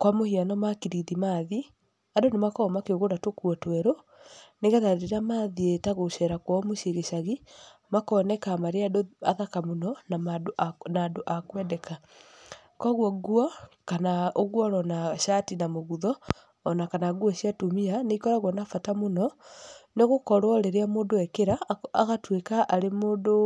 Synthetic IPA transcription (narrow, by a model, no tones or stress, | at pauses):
kwamohianɔmakiɾidimaːði | adonemakɔɔmakeoɣonatokwɔtwɛɾo | neɣaðaɾɾiɾamaːðietaɣoʃɛɾakwɔmoʃeɣeʃaɣi | makɔːnɛkamaɾeadoa̰ðakamonɔnaanadoʔakwɛdɛka | kɔɣwɔɣwɔkanaoɣwɔɾɔnaʃatinamoɣuðɔː | nakanaɣwɔʃiatumianeikɔɾaɣwɔnafatamonɔneɣokɔɾwɔɾeɾeamoːndoɛkeɾaaɣatwekaʔaɾemoːndo